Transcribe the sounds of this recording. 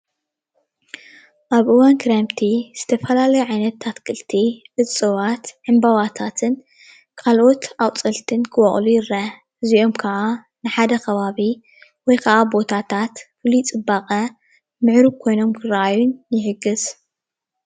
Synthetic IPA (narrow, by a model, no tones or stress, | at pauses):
ʔaβʔɨwankʰɨɾemt̪ʰiz̥ɨt̪ʰɐfɐlalɐjuʕajnɐt̪ʰːat̪kʰɨlt̪ʰiʕɨt͡sʼɨβat̪ʕɨmbaβat̪ʰat̪ʰɨn | kʰalʔo̞t̪ʔawt͡sʼɐlt̪ʰɨnkʰɨwɔχʼlujɪɾa | ɨziʔo̞mkʰɐʔa | nɨħad̪ɐkʰɐβaβi | wɔjkʰɐʔabo̞t̪ʰat̪ʰat̪fɨlit͡sʼɨbaqʼɐ | mɨʕɾɨβkʰo̞jno̞mkʰɨɾɐʔajunːjɪħɨɡɨz